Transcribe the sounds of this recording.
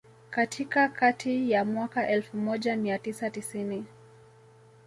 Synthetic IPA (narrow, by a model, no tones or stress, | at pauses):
katʰikakatʰijamwakaʔɛlfumɔʄamiatisatisini